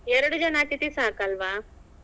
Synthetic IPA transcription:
eɾɽd͡ʑɐnaʈ̪it̪isakalʋa

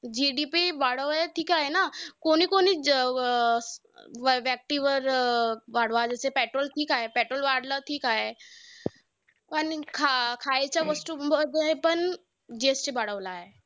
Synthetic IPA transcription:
d͡ʒiːɖipibaːɽəɦɛʈʰiːkaːɦenakoːnikoːni | ʋɛːk̚ʈiʋəɾʋaːɽʋad͡ʒɛːsepɛːʈɾoːlʈʰiːkaːɦepɛːʈɾoːlʋaːɽləʈʰiːkaːɦe | pɐnkʰakʰaːet͡ʃaʋəsʈud͡ʒepən | d͡ʒeːsʈebaɽəʋlaɦeː

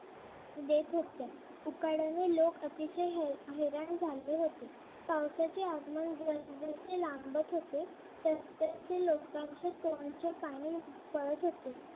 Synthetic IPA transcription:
d̪et̪ʰɦot̪ja | ukaɽanelokət̪iɕəjɦeɾaɳd͡zʱalːeɦot̪e | tawsat͡ɕeaɡmənɡɾənd̪et͡selambət̪ɦot̪e | t̪əst̪ət͡selokt̪aŋɕət̪oəɳt͡ɕepañi | pəɭət̪ɦot̪e

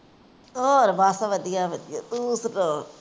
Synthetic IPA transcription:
oːɾbaːsaʋɐd̪ijaʋɐd̪ija̰d̪uːsɾoː

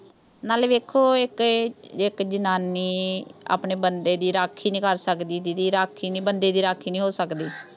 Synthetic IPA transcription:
naːlʋeːkʰːoːɪkɪkd͡ʒənaːniːa̰ːpɳeːbənd̪eːd̪iːɾaːkʰːiːnĩːkəɾsəkd̪iːd̪iːd̪iːɾaːkʰːiːniːbənd̪eːd̪iːɾaːkʰːiːnĩːɦoːsəkd̪iː

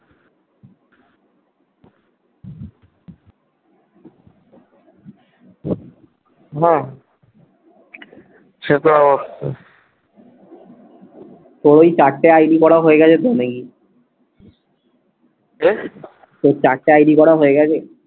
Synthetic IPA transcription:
ɦɛ̃ | ʃet̪oɔbosto | t̪oɾojt͡ɕakʈːeajɖikɔɾaɦoeɡɛt͡ɕʰed̪oneki | e | t̪ot͡ɕak̚ʈeajɖikɔɾaɦoeɡɛt͡ɕʰe

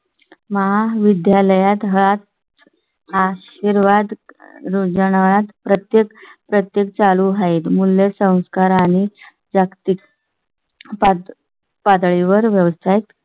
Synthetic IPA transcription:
məɦaʋid̪jaləjat̪ɦəɭat̪ | aɕ | iɾʋad̪ɾud͡zəɳ̃aat̪pɾət̪jekpɾət̪jek̚t͡saluɦait̪mulːesə̃w̃skaɾaɽ̃i | d͡zakt̪ik | pa | pad̪ɭiʋəɾʋjəʋəst̪ʰajt̪

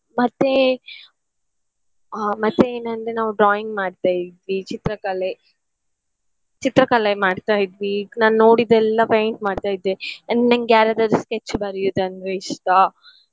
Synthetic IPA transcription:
mɐt̪ːe | mɐt̪ːeeːnɐnd̪ɾenaːʋuɖɾaːjiŋɡmaːɖt̪aːjid̪ʋit͡ʃit̪ɾɐkɐle | t͡ʃit̪ɾɐkɐlemaːɽt̪aːjid̪ʋinaːnno̞ːɽid̪ɛlːɐpoːjɳʈmaːɖt̪aːjid̪ːeɐnnɐŋɡjaːɾjaːd̪ɐd̪usket͡ʃːbɐɾijod̪ɐnd̪ɾeiʂʈɐ

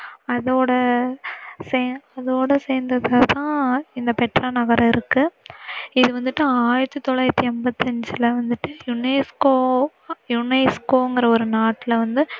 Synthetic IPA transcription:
ɐðoːɽɐ | seːɐðoːɽɐseːɾnd̪ɐðɐt̪ãːɪnd̪ɐpɛʈɾɐnɐɣɐɾɐɪɾɯkːɯ | ɪðɯʋɐnd̪ɯʈːɯaːjɪɾɐt̪ːɯt̪ːɔɭːaːɪɾɐt̪ːiɛmbɐt̪ːɐɲd͡ʒɯlɐʋɐnd̪ɯʈːɯjʊneskoː | jʊnɛskoːɪŋɡɪɾɐɔɾɯnaːʈːɪlʋɐnd̪ɯ

